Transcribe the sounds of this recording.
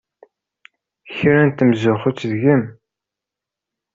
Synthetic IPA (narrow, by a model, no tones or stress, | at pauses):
çɾænt̪ːəmzʊχʊt͡sːðʝəm